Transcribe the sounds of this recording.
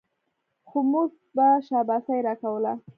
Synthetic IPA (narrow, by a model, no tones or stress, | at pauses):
xomuɡ | baʃɑbasajɾɑkawəla